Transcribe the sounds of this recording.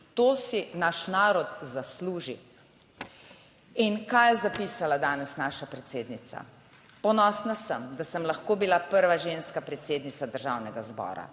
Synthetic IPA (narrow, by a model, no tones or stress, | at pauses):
t̪oːsinaʃnaːɾɔt̪zasluːʒi | inkajɛzapiːsalad̪aːnɛsnaːʃapɾɛt̪seːd̪nit̪sa̰ | pɔnɔːsnasəmd̪asəmlaxkoːbilapəɾʋaʒeːnskapɾɛt̪seːd̪nit̪sad̪əɾʒaːwnɛɡazbɔ̰ːɾa̰